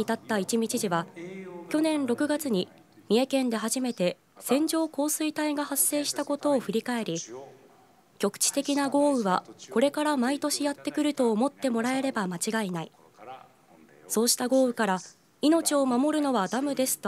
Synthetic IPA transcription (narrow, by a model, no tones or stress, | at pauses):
it̪at̪ːait͡ɕimʲit͡ɕiʑiβakʲo̞nẽ̞nɾo̞kɯ̟ɡat͡sɨɲ̟i | mʲie̞kẽ̞nd̪e̞ɦaʑime̞t̪e̞ | sẽ̞ɲ̟d͡ʑo̞ːko̞ːsɨit̪aiɡahasːe̞ːɕi̥t̪ako̞t̪o̞ːɸɯ̟ɾʲikae̞ɾʲi | kʲo̞kɯ̟̥t͡ɕi̥t̪e̞kʲinaɡo̞ːɯ̟βako̞ɾe̞kaɾamait̪o̞ɕijat̪ːe̞kɯ̟ɾɯ̟t̪o̞ːmo̞t̪ːe̞mo̞ɾae̞ɾe̞bamat͡ɕiɡainai | so̞ːɕi̥t̪aɡo̞ːɯ̟kaɾa | ino̞t͡ɕio̞mamo̞ɾɯ̟no̞βad̪amɯ̟d̪e̞sɨ̥t̪o